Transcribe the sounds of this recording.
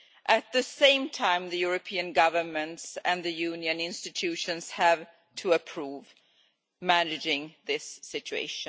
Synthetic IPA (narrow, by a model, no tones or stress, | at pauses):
ʔɨt̪̚ðɨsẽɪ̃mtʰãɪ̃mðɨjʊɹɨpʰiɨ̃nɡʌvə˞mə̃ntsɨ̃nðɨjʉnjɨ̃nɪ̃nstɨtʰʉʃɨ̃nz̥hæv | tʰɨəpʰɹ̥uːv | mænɨd͡ʒɪ̃ŋðɪsːɪt͡ʃʉḛɪʃɨ̃